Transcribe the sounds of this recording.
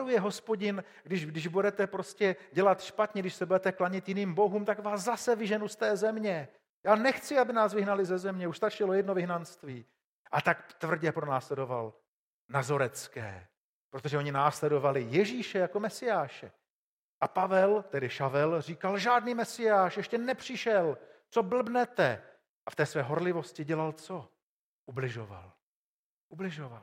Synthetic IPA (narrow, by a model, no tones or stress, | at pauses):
ɾujɛɦo̞spo̞ɟɪn | ɡdɪʒdɪʒbudɛt̪ɛpɾo̞scɛɟɛlat̪ʃpat̪ɲɛɡdɪʃsɛbudɛt̪ɛklaɲɪt̪jɪniːmbo̞ɦuːmt̪akvaːszasɛvɪʒɛnust̪ɛːzɛmɲɛ | jaːnɛxt͡sɪabɪnaːsvɪɦnalɪzɛzɛmɲɛuʃst̪at͡ʃɪlo̞jɛdno̞vɪɦnanst̪viː | ʔat̪akt̪vr̩ɟɛpɾo̞naːslɛdo̞va̰l | nazoɾɛt͡skɛ̰ː | pɾot̪oʒɛʔo̞ɲɪnaːslɛdo̞valɪjɛʒiːʃɛjako̞mɛsɪjaːʃɛ | ʔapavɛlt̪ɛdɪʃavɛlr̝iːkalʒaːdniːmɛsɪjaːʃjɛʃcɛnɛpr̝̥ɪʃɛlt͡so̞bl̩bnɛt̪ɛ | ʔaft̪ɛːsvɛːɦo̞ɾlɪvo̞scɪɟɛlalt͡so̞ | ʔublɪʒova̰l | ʔublɪʒoval